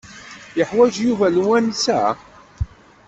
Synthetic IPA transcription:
jəħwæd͡ʒjuvælwænsæ̰

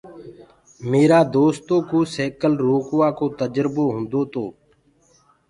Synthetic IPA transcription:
meːɾaːd̪oːst̪õːkoːseːkəlɾoːkʊʋaːkoːt̪əd͡ʒɾboːɦʊ̃nd̪oːt̪oː

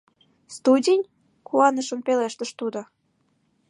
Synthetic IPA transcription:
st̪udʲenʲ | kuɑnəʃə̆mpeleʃt̪əʃt̪ud̪o

